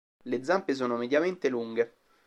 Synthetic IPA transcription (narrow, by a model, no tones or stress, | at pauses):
led̪zːampes̬oːnomed̪jament̪eluŋɡe